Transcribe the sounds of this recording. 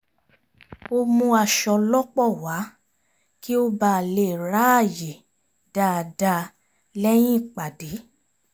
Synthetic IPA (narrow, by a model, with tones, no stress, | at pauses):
o˧mũ˧a˧ʃɔ˧lɔ˦k͡pɔ˦˨wa˨˦ | ki˦o˦ba˧˨le˨ɾa˨˦a˦˨je˨ | d̥a˧da˧ | lɛ˦j̃ĩ˦˨k͡pa˨de˨˦